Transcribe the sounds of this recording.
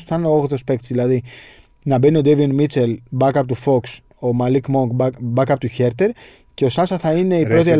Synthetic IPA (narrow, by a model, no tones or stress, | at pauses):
θɐneooɣðospekt̪sðilɐði | nɐbenio̞d̪evinmit͡selbɐkɐpot̪ufo̞ks | o̞mɐlikmoŋkbbɐkɐpot̪uçe̞ɾt̪e̞ɾ | ce̞o̞sɐsɐθɐine̞ipɾo̞t̪iel